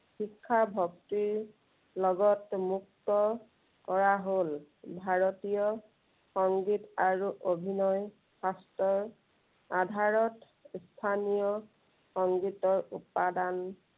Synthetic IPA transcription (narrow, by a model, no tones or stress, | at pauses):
xikʰːabʱɔktiɹ | lɔɡɔtmuk̚tɔ | kɔɹaɦol | bʱaɹotijɔ | xɔŋɡitaɹuʔobʱinɔj | sastɔɹ | adʱaɹɔt | stʰanijɔ | xɔŋɡitɔɹupadan